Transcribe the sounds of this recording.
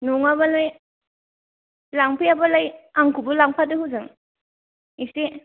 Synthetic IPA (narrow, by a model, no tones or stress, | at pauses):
nuŋabalaj | laŋpʰiabalajaŋkʰubulaŋpʰatɯhuzɯŋ | isi